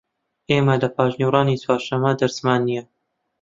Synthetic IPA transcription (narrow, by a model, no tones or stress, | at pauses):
ʔeːmɐdɐpʰɑːʒniwɾɑːnit͡swɑːɾʃɐmɐd̪ɐɾsmaːnːijɛ